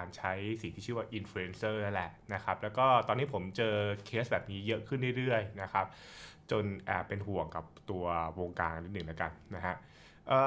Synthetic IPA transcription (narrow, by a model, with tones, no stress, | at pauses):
a˧nt͡ɕʰa˦˥jsi˨˩t̪ʰiː˥˩ɯː˥˩waː˥˩ʔi˧nfluː˧e˧nsɤː˥˩na˦˥nlɛ˨˩ʔna˦˥kʰa˦˥p̚lɛː˦˥wkɔː˥˩t̪ɔː˧nːiː˦˥pʰo˩˦mt͡ɕɤː˧kʰeː˦˥s̚bɛː˨˩p̚niː˦˥jɤ˦˥ʔkʰɯ˥˩nɾi˥˩jɾɯ˥˩əjna˦˥kʰa˦˥p̚t͡ɕo˧nʔɛː˨˩pːe˧nɦu˨˩əŋka˨˩p̚t̪u˧ɐwoː˧ŋkaː˧nŋʔa˧ni˦˥nɯ˨˩ŋla˦˥ka˧nna˦˥ɦʰa˦˥ʔ | ʔəː˨˩